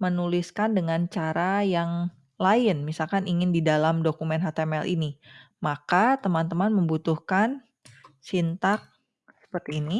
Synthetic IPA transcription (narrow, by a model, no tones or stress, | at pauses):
mənuliskandəŋant͡ʃaɾajaŋ | laɪnmisalkaniŋɪndidalamdokumɛnɦat̪eɛmɛlʔḭnimakat̪əmant̪əmanməmbut̪uhkan | sint̪ak̚ | sə̥pərt̪iːni